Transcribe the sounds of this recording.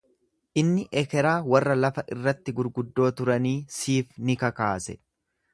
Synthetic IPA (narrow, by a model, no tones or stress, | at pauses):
ʔɪnːɪʔɛkɛɾaːwɐrːɐlɐfɐʔɪrːɐt̪ːɪɡʊɾɡʊd̪ːo̞ːt̪ʊɾɐniːsiːfnɪkɐkaːsɛ